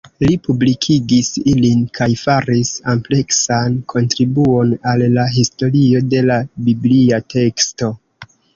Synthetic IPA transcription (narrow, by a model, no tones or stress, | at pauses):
lipublikʰiɡisilinkʰajfaɾisample̞ksankʰo̞ntɾibuo̞nalːaɦisto̞ɾio̞de̞labibliatʰe̞ksto̞